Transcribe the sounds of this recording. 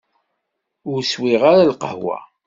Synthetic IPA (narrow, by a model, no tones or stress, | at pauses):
ʊɾswiʁaɾalqəhwa̰